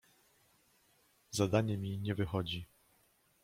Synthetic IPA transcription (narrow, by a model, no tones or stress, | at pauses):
zad̪aɲɛmʲiɲɛvɘxɔd͡ʑi